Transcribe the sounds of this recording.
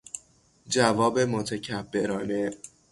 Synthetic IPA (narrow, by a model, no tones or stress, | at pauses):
d͡ʒævɒːbe̞mot̪ʰecʰæbːe̞ɾɒːne